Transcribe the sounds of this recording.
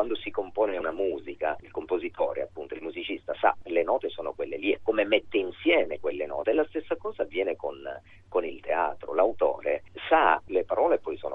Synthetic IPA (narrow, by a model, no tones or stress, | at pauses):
wand̪osikompoːneunamuːzikailkompozit̪ʰɔːɾḛa̰pːunt̪oilmuzit͡ʃist̪asa̰lenɔːt̪esoːnokwelːeliekːomemet̪ːeinsjɛːmekwelːenɔ̰ːt̪eːlːast̪esːakɔːzavːjɛːnekon | konilt̪ea̰ːt̪ɾo̰lawt̪o̰ːɾesalepaɾɔːlepːɔjso̰ːno